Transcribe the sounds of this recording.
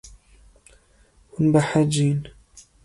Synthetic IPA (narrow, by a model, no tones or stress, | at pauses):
wʊnbaħad͡ʒiːn